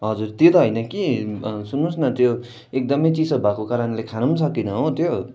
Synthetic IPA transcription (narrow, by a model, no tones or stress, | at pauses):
ɦʌd͡zuɾt̪jot̪ʌɦʌjnʌkisunũsnʌt̪jo | ek̚d̪ʌmʌjt͡sisʌbʱakokaɾʌnlekʰanumsʌkinʌɦot̪ʰjo